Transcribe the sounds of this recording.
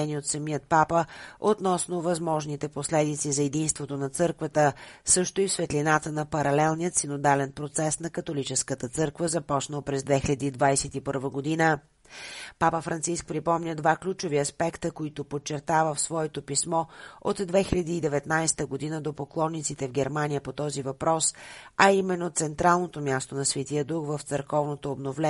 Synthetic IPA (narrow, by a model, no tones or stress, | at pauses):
ɛnʲiot̪sɐmijət̪̚papəot̪nɔsnovɐzmɔʒnit̪ɛposlɛd̪it̪sizɐɛd̪inst̪vot̪onɐt̪sɤɾkvət̪əsɤʃt̪oifsvɛt̪linat̪ənɐpɐɾɐlɛlˠnijət̪sinod̪alɛnpɾot̪sɛsn̪ɐkɐt̪olit͡ʃɛskət̪ət̪sɤɾkvəzɐpɔt͡ʃnəlˠpɾɛzd̪vɛxilɐd̪iːd̪vajsɛt̪ipɤɾvəɡod̪inə | papəfɾʔɐnt̪sisk̚pɾipɔmnʲəd̪vaklʲut͡ʃoviɐspɛkt̪əkoit̪opot͡ʃːɛɾt̪avəfsvɔɛt̪opismɔo̰t̪d̪vɛxilʲɐd̪iːd̪ɛvɛt̪najsɛ̥t̪əɡod̪inəd̪opoklˠɔnːit̪sit̪ɛvɡɛɾmanijəpot̪ɔzivɐpɾɔsɐimɛnːot̪sɛnt̪ɾalˠnot̪omʲjast̪onɐsvɛt̪iəd̪uxvəft̪səɾkɔvnot̪oːbnovlɛ